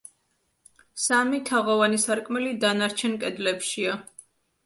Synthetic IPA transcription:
samit̪ʰaʁɔvanisaɾkʼmɛlid̪anaɾt͡ʃʰɛnkʼɛd̪lɛpʃia

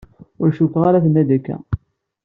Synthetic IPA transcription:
ʊɾʃukːʁaɾaθənːæd̪ækːæ̰

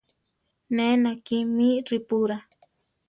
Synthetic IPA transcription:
nẽnãkimĩɾipuɾa

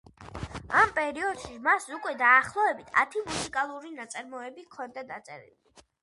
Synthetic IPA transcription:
ampʼɛɾiɔd̪̥ʃimasukʼwɛd̪aːχlˠɔɛbit̪ʰa̰t̪ʰimusikʼalˠuɾinat̪sʼaɾmɔɛbikʰɔnd̪ad̪at̪sʼɛ̰ɾḭli

